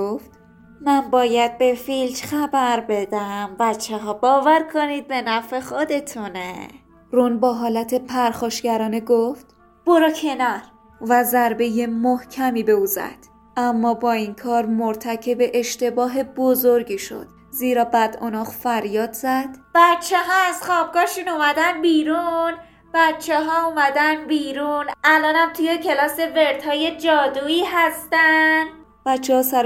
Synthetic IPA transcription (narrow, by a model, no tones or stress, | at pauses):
oft̪ | mænbɒːjæd̪̚be̞filt̪χæbæɾbe̞d̪æmbæt̪t͡ʃʰːeɦɒːbɒːvæɾkʰoniːd̪̚be̞næfe̞χod̪e̞t̪ʰune | ɾunbɒːɦɒːlæt̪ʰe̞pʰæɾxɒːʃɡæɾɒːneɡoft̪ | b̥oɾɒːcʰe̞næɾ | væzæɾbe̞je̞mohcʰæmiːbe̞uːzæ̰d̪̥ | ʔæmːɒːbɒːinkʰɒːɾmoɾt̪ʰæcʰe̞beʔeʃt̪e̞bɒːɦe̞bozoɾɡiːʃo̞̰d̪̥ | ziːɾɒːbæd̪o̰nɒːχfæɾjɒːd̪zæd̪̥b̥æt̪t͡ʃʰehɒːæzxɒːb̚ɡɒːʃuːnumæd̪ænbiːɾun | b̥æt̪t͡ʃʰeɦɒːumæd̪ænbiːɾunʔælɒːnæmt̪ʰujecʰe̞lɒːse̞ve̞ɾt̪ʰhɒːje̞d͡ʒɒːd̪uːiːɦæst̪ænd̪ | b̥æt̪t͡ʃʰːehɒːsæɾ